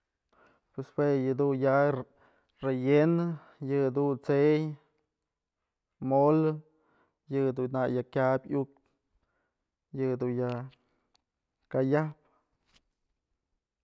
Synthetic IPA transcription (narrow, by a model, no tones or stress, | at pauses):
pwespwejɨd̪unja | rejenɨ | jɨd̪unt͡sej | mol | jɨd̪unajakʲabʲuk̚ | jɨd̪unja | kajap̚